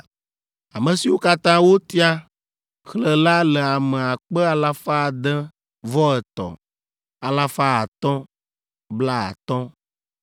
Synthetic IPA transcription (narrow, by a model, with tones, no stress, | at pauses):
a˨mə̃˨si˨wo˦ka˦t̪ã˦wo˦t̪i˦a˦ | xlə˨la˦lɛ˨a˨mɛ̃˨a˨k͡pɛ˦a˨la˦fa˦˨d̪ɛ̃˦ | vɔ˦ɛ˨t̪ɔ̰̃˨ | a˨la˦fa˦a˨t̪ɔ̃˦ | bla˦a̰˨t̪ɔ̃˦